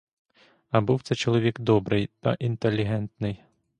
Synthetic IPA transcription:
ɐbuwt̪sɛt͡ʃɔlˠɔʋʲikd̪ɔbɾɪjt̪ɐ̰ʔint̪elʲːiɦɛnt̪nɪj

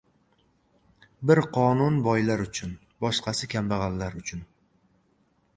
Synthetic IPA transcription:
bɪɾqʰɒnʊnbɒjlaɾʊt͡ʃʰʊn | bɒʃqʰɑsɪkʲʰambɑʁɑlːaɾʊt͡ʃʰʊn

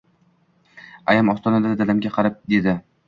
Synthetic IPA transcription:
ajamɒst̪ʰɒnad̪ad̪alamɡʲaqʰɑɾɪp̚d̪e̞d̪ɪ

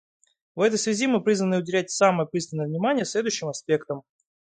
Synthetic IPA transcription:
vɛt̪əjsvʲɪzʲimɨpɾʲizvənɨʊdʲɪlʲætʲsaməjəpɾʲist̪ʲɪnəjəvnʲɪmanʲɪjəslʲe̞d̪ʊjʊɕːɪmɐspʲe̞kt̪əm

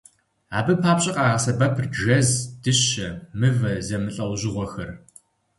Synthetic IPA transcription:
aːbɨpʰaːpɕʼɐqaːaːsɐbɐpʰrɐzd̥ɨɕɐmɨvɐzɐmɨɬʼɐwʑɪʁʷɔxɐr

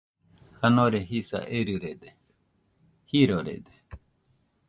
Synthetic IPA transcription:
hɐnoːɾeɦiːsa̰ʔeɾuɾed̪e | hiːɾoɾḛd̪e

